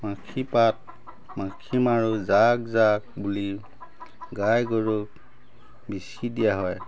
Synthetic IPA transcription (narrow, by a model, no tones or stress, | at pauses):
makʰipat̚ | makʰimaɹuzakzak̚buli | ɡajɡɔɹuk̚ | bisidijaɦɔj